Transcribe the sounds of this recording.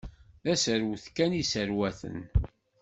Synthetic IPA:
æsəɾwθkænisəɾwæθə̰n

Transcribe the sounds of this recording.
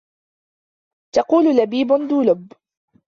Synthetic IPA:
t̪ɑquːlʊlabiːbʊnd̪uːlʊb

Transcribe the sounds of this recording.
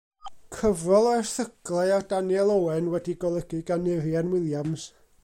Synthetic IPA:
kʰəvɔlˠarθəɡ̥lˠɛadanjɛlˠowɛnwɛdiɡɔlˠəɡ̥ɨɡanɪɾjanwɪlˠjams

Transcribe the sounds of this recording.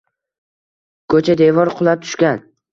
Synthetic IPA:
kʰɵt͡ʃʰad̪e̞vɒɾqʰʊlˠap̚t̪ʰʊ̥ʃkʲan

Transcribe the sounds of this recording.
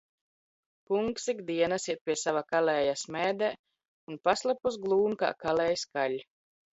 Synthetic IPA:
puŋksikd̪iɛnasiɛt̪̚pʲiɛsavakalɛːjasmɛːd̪ɛ | unpaslˠapusɡlˠuːnka̰ːkalɛːjskalʲ

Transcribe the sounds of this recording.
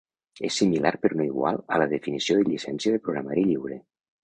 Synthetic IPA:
ḛsːimilaɾpeɾnoiɣwa̰lˠələðefinisioðeʎisɛnsjəðepɾoɣɾamaɾiʎiwɾe

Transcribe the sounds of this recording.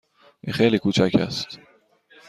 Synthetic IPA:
ʔiːxejliːkʰuːt͡ʃʰæcʰæ̰st̪

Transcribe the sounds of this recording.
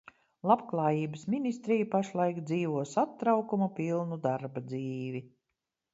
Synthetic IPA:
lˠapklˠaːjiːbəsminʲist̪ɾijupaʃlˠajkd̪ziːvuɔsat̪ːɾawkumupʲilˠnud̪aɾbad̪ziːvi

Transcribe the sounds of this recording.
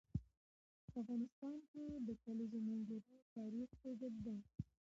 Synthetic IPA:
afɣɑnɪst̪ɑnked̪əkalizomanɡaɾot̪ɑɾixpezad̪̚d̪a

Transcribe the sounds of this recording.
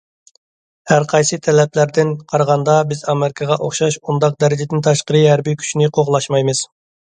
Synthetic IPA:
hæɾqʰɑjsɨt̪ʰɛlɛplæɾd̪ɪnqʰɑɾəʁɑnd̪ɑbɪzɑmɪɾɪkʰəʁɑʔoχʃɑʃund̪ɑq̚d̪ɛɾɪd͡ʒɪd̪ɪnt̪ʰɑʃqəɾɨhæɾbikʲʰy̥t͡ʃʰinɪqʰoʁlˠɑʃmɑjmɨz̥

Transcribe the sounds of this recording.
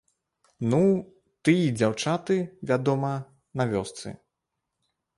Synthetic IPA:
nu | t̪ɨjid͡zʲawt͡ʂat̪ɨvʲad̪ɔmɐ | navʲɔst̪sɨ̰

